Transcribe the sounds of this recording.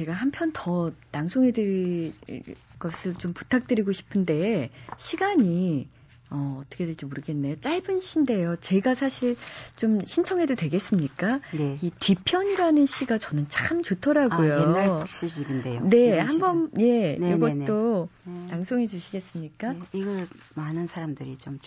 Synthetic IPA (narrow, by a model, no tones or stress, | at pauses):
t͡ɕe̞ɡahampʰjʌntʌtaŋsʰoŋɦedɯɾḭ | ɡʌsʰɯɭt͡ɕompu̥tʰak̚t͈ɯɾiɡoɕʰi̥pʰɯnde̞ɕʰiɡaɲi | ʌːtʰʌkʰedet͡ɕ͈emoɾɯɡe̞nːe̞jot͡ɕ͈aɭbɯnɕʰinde̞jot͡ɕe̞ɡasʰaɕʰiɭt͡ɕomɕʰint͡ɕʰʌŋɦe̞dodwe̞ɡe̞s͈ɯmɲik͈aneitɥipʰjʌɲiɾanɯnɕʰiɡat͡ɕʌnɯnt͡ɕamt͡ɕotʰʌɾaɡujoɕ͈id͡ʑibindejone̞hambʌnje̞noɡʌt͈otaŋsʰoŋed͡ʑuɕʰiɡe̞s͈ɯmɲik͈aiɡʌɭ | manɯnsʰaɾamdɯɾit͡ɕom